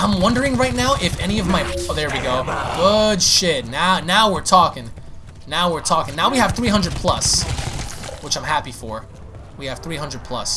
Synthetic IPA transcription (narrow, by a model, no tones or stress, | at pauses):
ãɪ̃mwʌ̃ndə˞ɪ̃ŋɹaɪtⁿnaʊʔɪfɛñiʌvmaɪðə˞wiɡoʊɡ̥ʊd̥ʃɪt̚ⁿnaʊnaʊwɪɹtʰɔkɪ̃ŋ | naʊwɪɹtʰɔkɪ̃ŋnaʊwiɨv̥θɹiɦʌ̃ndɹɨd̚pʰl̥ʌ̰s | wət͡ʃãɪ̃mɦæpifə˞ | wiɨv̥θɹiɦʌ̃ndɹəd̚pʰl̥ʌ̰s